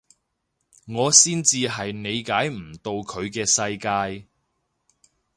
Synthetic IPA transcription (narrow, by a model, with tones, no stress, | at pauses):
ŋɔː˨˧siː˥nt͡siː˧ɦɐ˨jne˨˧jkaː˨˥jm̩˨˩t̪o˧wkʰɵ˨˧ɥkɛː˧sɐ˧jkaː˧j